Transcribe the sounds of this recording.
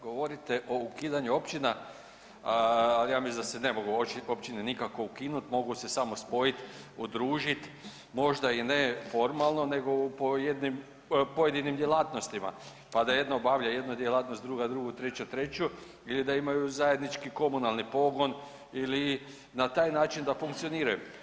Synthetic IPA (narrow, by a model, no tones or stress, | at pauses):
ɡo̞ʋo̞ɾit̪e̞ʔo̞ukiːd̪aɲuo̞pt͡ʃina | alijaːmisid̪asene̞mo̞ɡuopt͡ʃinenikako̞ukinut̪mo̞ɡuse̞samo̞spo̞jit̪ud̪ɾuːʒit̪ | mo̞ʒd̪ainefo̞ɾmalˠno̞ne̞ɡo̞upoje̞d̪nim | poje̞d̪inimd̪jelˠaːt̪no̞st̪ima̰ | pad̪aje̞d̪naobaʋlʎaje̞d̪nud̪jelˠaːt̪nost̪ɾuɡad̪ɾuɡut̪ɾe̞t͡ɕat̪ɾe̞t͡ɕu | ilid̪aimajuzaje̞d̪nit͡ʃkiko̞munalˠnipo̞ɡo̞n | ili | nat̪aːjnaːt͡ʃind̪afuŋkt̪sio̞niːɾajṵ